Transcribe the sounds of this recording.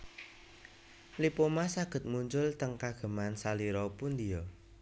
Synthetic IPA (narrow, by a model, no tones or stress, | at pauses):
lipomasaɡ̥ə̤t̪̚muɲt͡ʃʊlt̪əŋkaɡ̥ə̤mansaliɾɔpʊnd̪ijɔ